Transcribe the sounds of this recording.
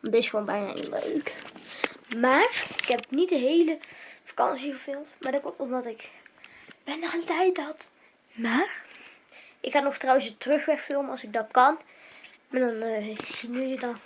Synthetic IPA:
ʋɑndɪsχʋonbɛjna̰ːʔḭlø̰ɥk | maːrɪkɦɛp̚nitdəɦejləfḁkɑ̰nsiχəfɪlˠmtmaːɹdəkomtɔmdɑtɪk | bɛnɔχəntɛjtɦɑt | maːr | ʔɪkχanɔxftrɑwənsətrɵχʋɛxfɪlˠmənɑlˠsɪɡ̚dɑt̚kɑn | maːdɑnz̥inyjədɑn

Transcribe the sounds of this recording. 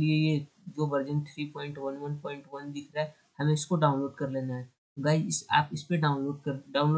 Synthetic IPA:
lieje | d͡ʒoːʋɐɾd͡ʒə̃ɳʈ̚t̪ʰɾiːpɔ̃ːɪ̃ɳʈʋɐnʋɐnpɔːɪ̃ɳʈʋɐnd̪ɪkʰɾaɦɛ | hɐmẽɪskoɖaːʊ̃nloːɖkɐɾleːnaɦɛ | ɡaːɪd͡ʒɪsa̰ːpɪspeɖaːʊ̃nloːɖkɐɾɖaːʊ̃nlo

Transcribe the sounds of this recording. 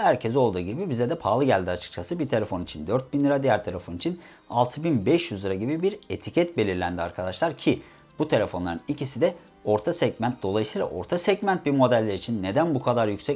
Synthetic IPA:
hæɾcʰezo̞lˠd̪uːɟibibized̪ɛpʰaːlˠɯɟælʲd̪iat͡ʃʰɯ̥k̚t͡ʃʰasɯbiɾt̪ʰe̞lʲe̞fo̞nit͡ʃʰind̪øɾt̪̚binʲiɾad̪ijæɾt̪ʰaɾafonit͡ʃʰin | alˠt̪ʰɯbinbɛʃjyzˠɯɾaɟibibiɾe̞t̪ʰicʰɛt̪̚be̞lʲiɾlʲænd̪ia̰ɾkʰad̪aʃlˠaɾcʰi | b̥ut̪ʰe̞lʲe̞fo̞nlˠaɾɯnicisid̪ɛ | o̞ɾt̪ʰasɛɟmænt̪̚d̪o̞lˠajɯsɯjlˠa̰ʔo̞̰ɾt̪ʰasɛɟmænt̪̚biɾmo̞d̪ælʲːeɾit͡ʃʰinːe̞d̪ænbukʰad̪aɾjycʲsɛ

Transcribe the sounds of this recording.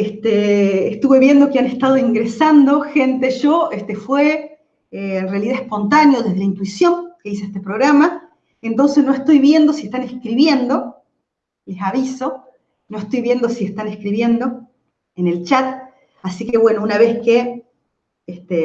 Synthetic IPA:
est̪eːst̪uβe̞βje̞nd̪o̞keanest̪að̞oiŋɡɾesand̪o̞xe̞nt̪eʒoest̪efwe | eːnrealiðaespo̞nt̪anjo̞ðeð̞eaint̪uisjo̞ŋkeis̬eest̪epɾoɣɾama | ent̪o̞nsesno̞est̪o̞jβje̞nd̪o̞siet̪anehkɾiβje̞nd̪o̞ | lesaβiso̞ | no̞est̪o̞jβje̞nd̪osiest̪anehkɾiβje̞nd̪o̞ | ene̞lt͡ʃat̪̚ | asike̞βwe̞nounaβe̞ske | est̪e

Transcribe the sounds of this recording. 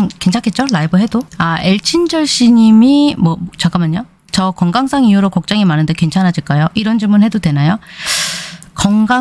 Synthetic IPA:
ŋkent͡ɕʰaŋkʰet̚t͡ɕ͈olaibɯɦe̞doaeɭt͡ɕʰind͡ʑʌɭɕ͈ʰiɲimimwʌt͡ɕakamaɲo | t͡ɕʌkʌŋɡaŋs͈ʰaŋijuɾokʌk̚t͡ɕ͈aŋimanɯndeke̞nt͡ɕʰanɦad͡ʑiɭk͈ajoʔiɾʌnd͡ʑiɭmunhe̞dodwe̞najo | kʌŋɡa

